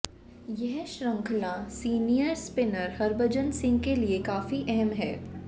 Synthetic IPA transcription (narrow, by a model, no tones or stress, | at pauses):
jɛɦʃɾə̃ŋkʰlãsiːnijəɾspɪnəɾhɐɾbəd͡ʒənsɪ̃ŋɡ̚keliekaːfiʔɛɦɛmɦɛː